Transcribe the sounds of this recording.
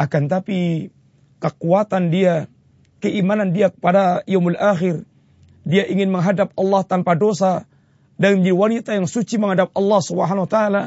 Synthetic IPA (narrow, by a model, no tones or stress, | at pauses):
akant̪api | kəkuat̪andia | kəʔimanandiakə̥padajomalʔaxɪr | diaʔiŋɪnməŋɦadap̚ɑlːɑht̪anpadosa | daŋmdiwanit̪ajaŋsut͡ʃiməŋhadap̚ɑlːɑhsubəɦanawat̪aala